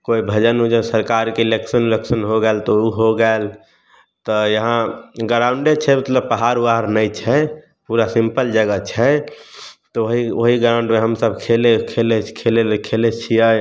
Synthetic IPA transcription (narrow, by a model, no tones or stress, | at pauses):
koibʱəd͡ʒənud͡ʒə̃səɾkaɾkeileksənleksənɦoɡɛelt̪ɔuɦoɡɛel | t̪ɔjəɦãɡəɾãʊ̃ɳɖet͡ʃʰɛmət̪ləb̚pəɦaɾuaɦɾnəjt͡ʃʰɛ | puɾasĩmpəld͡ʒəɡət͡ʃʰɛ | t̪ɔoɦioɦiɡɾãʊ̃ɳɖmẽɦəmsəbʱkʰelekʰelekʰelekʰelet͡ʃʰijə